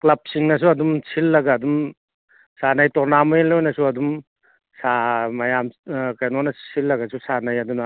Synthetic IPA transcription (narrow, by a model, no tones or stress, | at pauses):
klɐp̚siŋnɐs̬uɐdumsʰilːɐɡaːdum | sanajtɔnamɔnlojnɐsuɐdum | samɐjamkajnonɐsilːɐɡasusanɐjɐdunɐ